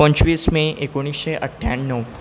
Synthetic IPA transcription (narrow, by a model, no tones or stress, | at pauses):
ə̃ɲt͡ɕʋiːsmẽʔekoɽ̃iːsɕeʔəʈʰːja̰ɳːəʋ